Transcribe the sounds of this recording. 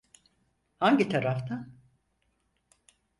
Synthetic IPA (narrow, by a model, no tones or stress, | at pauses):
haɲɟit̪ʰaɾaft̪ʰan